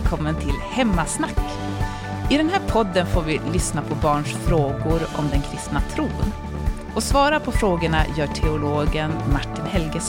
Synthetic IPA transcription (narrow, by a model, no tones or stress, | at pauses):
kʰɔmːənt̪ʰɪlhɛmːasnakː | ʔɪd̪ɛnɦæːɾpʰɔd̪ːənfoːɾvɪlʏsnapʰɔbɑːɳʂfɾoːɡʊɾɔ̰md̪ɛnkʰɾɪst̪nat̪ʰɾuːn | ɔsvɑːɾapʰɔfɾoːɡəɳa̰jœːʈʰɛʊloːɡənmaʈːɪnhɛlɡəs